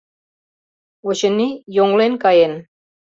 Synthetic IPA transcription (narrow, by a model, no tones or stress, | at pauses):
uɕə̆nijoŋlenkɑjen